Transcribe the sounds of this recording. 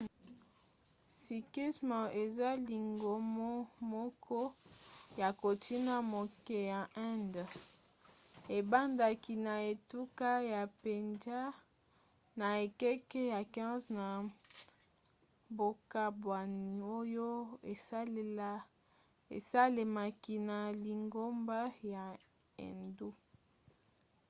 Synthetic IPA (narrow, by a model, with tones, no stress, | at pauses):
si˨ki˦smə˨e˨za˦li˨ŋɡo˨mo˦mɔ˦kʰɔ˦ja˨ko˨ti˦na˨mo˨ke˨ja˨ʔɛ̃˦nd | e˨ba˦nda˨ki˨na˨e˨tu˦ka˦ja˨pe˨nza˦ | na˨e˨kɛ˦kɛ˦ja˨kɛ̃˦zna˨ | bo˨ka˦bwa˨ni˨o˦jo˦e˨sa˦le˦l | ḛ˨sa˦le˨ma˨ki˨na˨li˨ŋɡo˦mba˦ja˨ | ḛ˨ndu˦